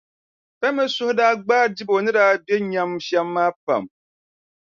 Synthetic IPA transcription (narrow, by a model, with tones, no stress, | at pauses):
pɛ˦mɨ˦sʊ˦hʊ˦daː˦ɡ͡baː˦di˦bo˨nɨ˦daː˦bjɛ˦ɲa˦mʃɛ˦mːaː˦pa̰˨m